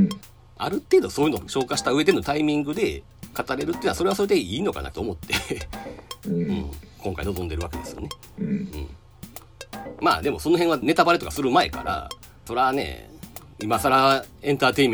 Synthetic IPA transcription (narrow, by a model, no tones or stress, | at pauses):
a̰ɾɯ̟t̪e̞ːd̪o̞soːjɯ̟noɕo̞ːkaɕi̥t̪aɯ̟e̞d̪e̞no̞t̪aimʲĩŋɡɯ̟d̪e̞ | kat̪aɾe̞ɾɯt̪eiɯnaso̞ɾe̞aso̞ɾe̞d̪eiːno̞ka̰na̰t̪oːmo̞t̪ːe̞ | ɯ̰̃ɴkʰõ̞ŋka̰ino̞zo̞nd̪e̞ɾɯ̟βake̞d̪e̞̰sɨ̥jo̞̰ne | ɯ̟̰̃ɴ | ma̰ːd̪e̞mo̞so̞no̞ɦeɰ̃βane̞t̪abaɾe̞t̪o̞kasɨɾɯ̟mae̞̰ka̰ɾa̰ | so̞ɾeanḛ | imasaɾaẽ̞nt̪aːt̪e̞im